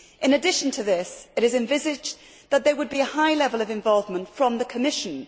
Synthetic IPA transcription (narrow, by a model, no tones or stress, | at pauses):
ʔɪ̃nɨdɪʃə̃n̩tʰəðɪsɨɾɨzɨ̃ɱvɪzɪd͡ʒ | ðət̪̚ðə˞wəd̚biəhaɪlɛvəlˠəvɨ̃ɱvɒlˠvmə̃ntfɹə̃mðəkʰəmɪʃə̃n